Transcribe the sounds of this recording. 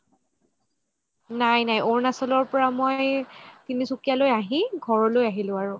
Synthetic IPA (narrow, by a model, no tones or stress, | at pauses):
najnajʔoɹnasɔlɔɹpɔɹamojjtinisukjalojaɦĩɡʱɔɹɔlojaɦilʊ̃aɹʊ